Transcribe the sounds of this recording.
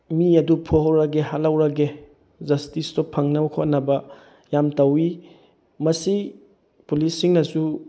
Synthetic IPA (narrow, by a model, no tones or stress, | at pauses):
miɐdupʰoɦawɾɐɡeɦalawɾɐɡe | zɐstistɔpʰɐŋnɐwkʰot̚nɐbɐ | jamtɐwi | mɐsi | pulisːiŋnɐsu